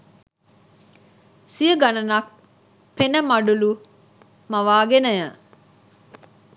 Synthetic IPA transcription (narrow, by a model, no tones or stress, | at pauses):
sijəɡɐnɐnɐk | penəmɐɖulu | mɐʋaːɡenəjə